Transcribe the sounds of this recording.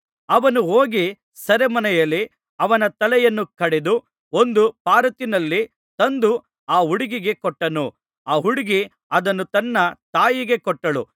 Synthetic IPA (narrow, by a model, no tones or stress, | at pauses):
ɐʋɐnuɦoːɡi | sɐɾemɐnɛjɐlːi | ɐʋɐnɐt̪ɐlɛjɐnːukɐɽed̪u | o̞nd̪upaːɾɐt̪inɐlːi | t̪ɐnd̪u | aːɦuɽiɡiɡe̞kɔʈːɐnu | aːɦuɽiɡi | ɐd̪ɐnːut̪ɐnːɐt̪aːjiɡe̞kɔʈːɐɭṵ